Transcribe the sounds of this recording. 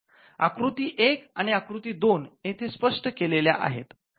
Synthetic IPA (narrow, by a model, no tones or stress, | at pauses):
a̰kɾut̪iːʔekaɽ̃iakɾut̪iːd̪onjet̪ʰespəʂʈəkelelja̰ʔa̰ɦḛt̪